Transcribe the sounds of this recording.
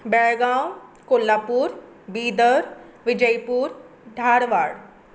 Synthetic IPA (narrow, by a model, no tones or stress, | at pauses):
bɛɭɡãːwkoːlːaːpuːɾ | biːd̪əɾ | ʋɪd͡ʒəjpuːɾ | ɖʱaːɾʋaːɽ